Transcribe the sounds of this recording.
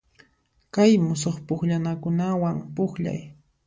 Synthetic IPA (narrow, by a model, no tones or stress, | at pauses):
kajmʊsoχpʊχʎanakʊnawaŋpʊχʎa̰j